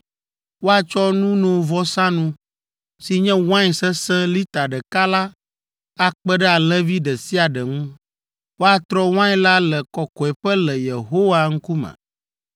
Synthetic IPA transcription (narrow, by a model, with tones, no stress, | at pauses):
wo˦a˨t͡ʃɔ˦nũ˦nõ˨vɔ˦sã˦nũ˦ | si˨ɲɛ̃˦w̃ã˦ɲ˨sɛ˦sɛ̃˦li˦t̪a˨ɖɛ˨ka˦la˦ | a˦k͡pɛ˦ɖɛ˦a˨lɛ̃˦vi˦ɖɛ˨si˦a˨ɖɛ˨ŋũ˦ | wo˦a˨t̪ɾɔ˦w̃ã˦ɲ˦la˦lɛ˨kɔ˨kɔ˨ɛ˨ɸɛ˦lɛ˨je˨ɦo˦wa˦ŋ̩˦ku˦mɛ̰̃˨